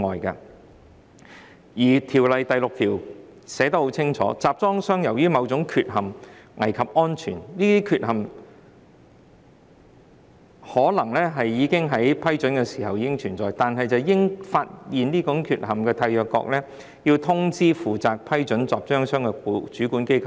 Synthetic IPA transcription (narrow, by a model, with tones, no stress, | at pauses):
ŋɔː˨jkɐ̰˧ | jiː˨˩t̪ʰiː˨˩wlɐ˨jt̪ɐ˨jlʊ˨k̚t̪ʰiː˨˩wsɛː˨˥t̪ɐ˥k̚ho˨˥wt͡sʰɪ˥ŋt͡ʃʰɔ̰ː˨˥t͡saː˨˩p̚t͡sɔː˥ŋsœː˥ŋjɐ˨˩wjyː˥mɐ˨˧wt͡sʊ˨˧˥ŋkʰyː˧t̚hɐ˨˩mŋɐ˨˩jkʰɐ˨p̚ɔː˥nt͡ʃʰyː˨˩nniː˥t̪iː˥kʰyː˧˨t̚ɦɐ˨m | hɔː˨˥lɐ˨˩ŋlɛː˥ɦɐ˨jjiː˨˧kɪ˥ŋɦɐ˨˥jpʰɐ˥jt͡ʃɵ˨˥nkɛ˧siː˨˩hɐ˨wjiː˨˧kɪ˥ŋt͡ʃʰyː˨˩nt͡sɔː˨jt̪aː˨nɦɐ˨jt͡sɐ˨˧wjɪ˥ŋfaː˧t̚jiː˨nniː˥kʊ˨˥ŋkʰyː˨t̚ɦɐ˨mkɛː˧t̪ʰaː˧jœː˨˩kːɔ̰ː˧k̚lɛː˥ | jiː˧wt̪ʰʊ˥ŋt͡siː˥fuː˨t͡saː˨k̚pʰɐ˥jt͡ʃɵ˨˥nt͡saː˨˩p̚t͡ʃœː˥ŋsœː˥ŋkɛ˧ku˨t͡ʃyː˨˥kuː˨˥nke˥jkʰɐ˨w